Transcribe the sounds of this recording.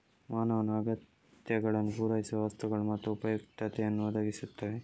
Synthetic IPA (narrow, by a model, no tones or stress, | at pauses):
maːnɐʋɐnːuɐɡɐt̪ | jɐɡɐɭɐnːupuːɾɐjisiʋɐʋɐst̪uɡɐɭumɐt̪ːuupɐjukʈ̪ɐt̪ɛjɐnːuʋɐd̪ʱɐɡisut̪ːɐʋe